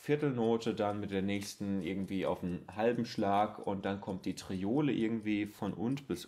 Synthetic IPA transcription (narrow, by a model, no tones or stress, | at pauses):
fɪɐtl̩noːtədanmɪt̚d̥eːɐnɛːçstn̩ʔɪɐɡŋ̩tv̥iːa̰ʊfhalbm̩ʃlaːkʊntd̥ankʰɔmt̚d̥iːtʁ̥ioːləʔɪ̰ɐɡŋ̩tv̥iːfɔnʔʊntb̥ɪs